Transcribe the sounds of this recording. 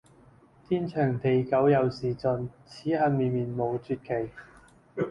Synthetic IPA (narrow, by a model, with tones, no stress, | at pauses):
t̪ʰiː˥nt͡ʃʰœː˨˩ŋt̪ʰe˨˩jkɐ˨˥wjɐ˨˧wsiː˨˩t͡sɵ˨˧nt͡sʰiː˨˥hɐ˧n̚miː˨˧nmiː˨nmo˨˧wt͡syː˧t̚kʰe˨˩j